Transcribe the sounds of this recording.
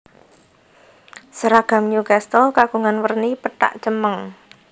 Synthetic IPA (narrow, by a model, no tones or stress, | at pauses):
səɾaɡ̥a̤mɲukast̪ɔkaɡ̥ṳŋanwərnipəʈa̰ʔt͡ʃəməŋ